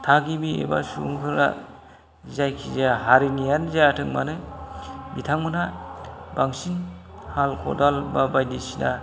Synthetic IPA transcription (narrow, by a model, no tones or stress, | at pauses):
tʰaɡibiḛba̰suŋkʰɯɾa̰ | zajkʰizaɦaɾinijanzajatʰɯŋmanɯ | mitʰaŋmɯnabaŋsinhalkʰɔ̰dalbabajdisina